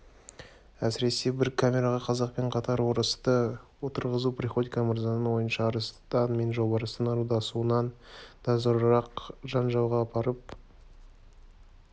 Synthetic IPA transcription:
æsɪɾe̞se̞bɪɾkʰamʲe̞ɾaʁɑqʰɑzɑq̚pe̞ɴqʰɑt̪ɑɾwo̞ɾəst̪əwot̪əɾʁəzupriχo̞d̪ikamɑɾzɑnəwo̞jənʃɑːɾəst̪ɑnme̞nʒo̞bɑɾəst̪ənɑɾud̪ɑsuənɑnd̪̥ʰɑzəɾɾɑqʒɑnʒɑwʁɑːpʰɑɾəp̚

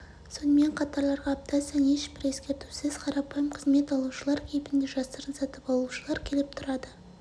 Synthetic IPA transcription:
so̞nəme̞ɴqʰɑt̪ɑɾlˠɑɾʁɑːp̚t̪ʰɑsɑne̞ʃbɪɾe̞skʲe̞ɾt̪u̥sɪzqʰɑɾɑpɑjəmqʰəzme̞t̪ɑlˠuʃəlˠɑɾkʲʰejɪpɪnd̪e̞ʒɑst̪əɾənsɑt̪əpɑlˠuʃəlˠɑɾkʲʰe̞lɪp̚t̪ʰʊɾɑd̪ə

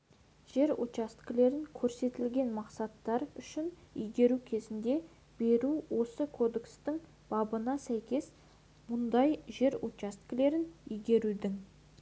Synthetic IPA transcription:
ʒ̥e̞ɾot̪t͡ʃast̪kʲɪle̞ɾɪŋkʲʰɵɾse̞t̪ɪlɡʲe̞nmɑqsɑt̪ːɑɾʏʃɪnʏ̰jɡʲe̞ɾukʲʰe̞zɪnd̪e̞ | b̥e̞ɾuwo̞səkʰo̞d̪ekst̪ɪŋ | b̥ɑbənɑsæjkʲe̞s | mʊnd̪ɑjʒe̞ɾot̪t͡ʃast̪kʲɪle̞ɾɪnʏjɡʲe̞ɾud̪ɪŋ

